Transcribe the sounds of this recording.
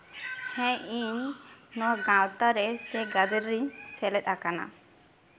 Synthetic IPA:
hɛ̃iɲnɔwaɡãwt̪aɾɛsɛɡad̪ɛɾːiɲsɛlɛt̪̚akana̰

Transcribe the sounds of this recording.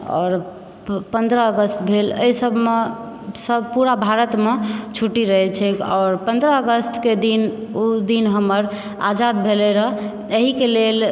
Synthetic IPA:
ɔ̰ːɾ | pənd̪ɾəəɡəst̪bʱelə̰isəbʱme | səbʱpuɾabʱaɾət̪met͡ʃʰuʈiɾəɦɛt͡ʃʰɛkɔːɾpənd̪ɾəəɡəst̪ʰked̪inud̪inɦəməɾ | a̰d͡ʒad̪bʱelɛɾəɦ | əɦikelel

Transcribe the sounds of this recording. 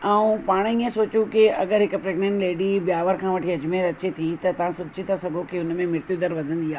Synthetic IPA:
ɛũpaːɽ̃iːə̃soːt͡ɕũkɪɐɠəɾɦɪkə̆pɾeːɡnɛ̃ːɳʈleːɖibjaːʋəɾkʰãːʋɐʈʰiɐd͡ʑmeːɾɐt͡ɕet̪ʰit̪ɐt̪ɐʋ̤ãsʊtd͡ʑit̪asɐɡʱokiʊnmẽmɪɾt̪jud̪əɾʋɐd̪ʱə̃nd̪iaː

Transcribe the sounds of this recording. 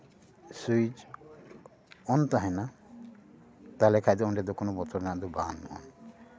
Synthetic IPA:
sujd͡ʒ | ɔnt̪aɦɛ̃na | t̪alɛkʰajd̪ɔɔnɖɛd̪ɔkɔnɔbɔt͡ʃɔɾnaʔd̪ubanɔ̰n

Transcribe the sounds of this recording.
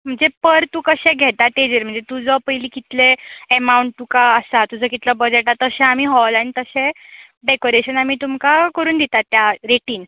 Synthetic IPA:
m̤əɳd͡zepəɾt̪uːkəɕẽɡʱɛt̪aʈed͡ʑeɾm̤əɳd͡zet̪ud͡zəpəjliːkit̪leemauɳʈ̚t̪ukaəsat̪ud͡zəkit̪ləbəd͡zeʈat̪əsẽamiːɦɔlanit̪əɕẽ | ɖekoɾeɕənamiːt̪umkakəɾuːnd̪it̪at̪ːjaɾeʈiːn

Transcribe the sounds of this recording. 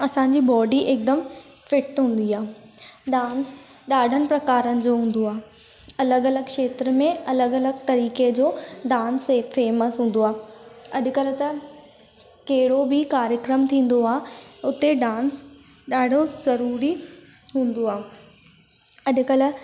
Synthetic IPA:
ɐsãːɲd͡ʑiːbɔːɖiʔeːk̚d̪əm | fɪʈɦũːn̆d̪iaː | ɗãːns | ɗaːɖʱənɪ̆pɾɐkaːɾənɪ̆d͡ʑoːɦũːn̆d̪oaːɦ | ɐləɡɐləɡkʃeːt̪ɾəmẽɐləɡɐləɡt̪ɐɾiːked͡ʑoːɖãːnsefeːməsɦũːn̆d̪oaːɐʄʊ̆kɐlʊ̆t̪ɐ | kɐɦɪɽobɪkaːɾjəkɾəmt̪ʰĩːn̆d̪oaːʊt̪eɖãːns | ɗaːɖʱozɐɾuːɾi | ɦũːnd̪oaː | ɐʄʊ̆kɐlʊ̆

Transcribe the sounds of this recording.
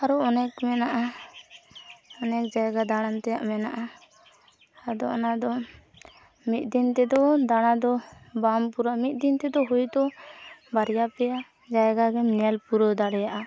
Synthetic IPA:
aɾuɔnɛkmɛnaʔa | ɔnɛk̚d͡ʒajɡad̪aɽ̃ant̪ɛjaʔmɛnaʔa | ad̪ɔʔɔnad̪ɔ | mit̪̚ˀd̪int̪ɛd̪ɔd̪aɽ̃ad̪ɔbampuɾaʔmit̪̚ˀd̪int̪ɛd̪ɔɦujd̪ɔbaɾjapɛja | d͡ʒajɡaɡɛmnɛlpuɾɔd̪aɽɛjaʔa

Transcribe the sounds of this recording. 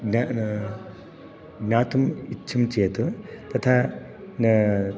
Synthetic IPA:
ɡna | ɡnaːt̪umitːt͡ʃʰɐmt͡ʃeːt̪ut̪ɐt̪ʰaː | n

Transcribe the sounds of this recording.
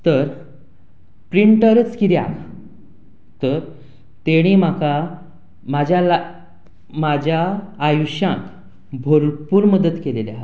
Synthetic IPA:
t̪əɾ | pɾiɳʈəɾt͡skiɾja̰k | t̪əɾ | t̪eɽ̃im̤aka | mad͡ʑʱjal | mad͡ʑʱjaːjuɕãk | bʱoɾpuːɾməd̪ət̪keleljaɦ̪

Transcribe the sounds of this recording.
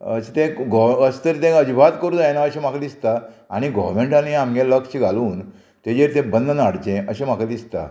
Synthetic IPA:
ət͡ɕit̪ẽɡɔəst̪əɾt̪ẽəd͡ʑbʱat̪kəɾuːnjanaəɕẽm̤akʰad̪ist̪aaɽ̃iɡɔʋɾmeɳʈaniamɡaləkɕiɡʱaluːn | t̪ed͡ʑeɾt̪ẽbənd̪ənaɽt͡ɕẽʔəɕẽm̤akad̪ist̪a̰

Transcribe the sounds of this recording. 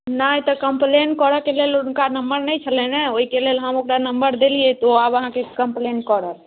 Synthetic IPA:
nəjt̪ɔkəmplenkɔɾəkelelʊnkanəmbəɾnəjt͡ʃʰəleneoɦikelelɦəmokɾanəmbəɾd̪eliet̪oabəɦãkekəmplenkɔɾəl

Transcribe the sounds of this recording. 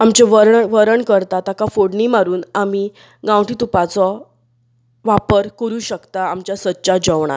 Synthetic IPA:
amt͡ɕeʋəɾʋəɾəɳkəɾt̪at̪akafoɽɳimaɾuːnami | ɡãwʈiːt̪upat͡sɔ | ʋapəɾkəɾuːɕəkt̪aamt͡ɕjasətːɕad͡ʑəʋɳ̃a̰ɾ

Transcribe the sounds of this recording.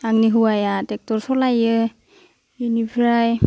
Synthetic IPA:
aŋniɦuwajatɛk̚tɔɾsɔlajɯ | inipʰiɾaj

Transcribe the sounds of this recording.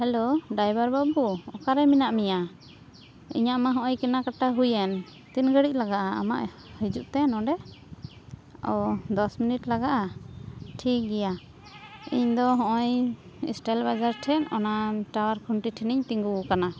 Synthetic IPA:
hɛloɖajbaɾbabuɔkaɾɛminaʔmija | ḭɲaʔmaɦɔ̃ʔɔjkɛnakaʈaɦujɛn | t̪inɡəɽic̚ˀlaɡaʔaa̰ma̰ʔ | hid͡ʒuʔt̪ɛnɔ̃ɖɛ | a̰wd̪ɔsminiʈlaɡaʔa | ʈʰik̚ɡɛja | iɲd̪ɔɦɔ̃ʔɔj | ɛ̰sʈɛlbad͡ʒaɾʈʰɛnɔ̰naʈawaɾkʰuɳʈiʈʰiniɲt̪iŋɡuukana

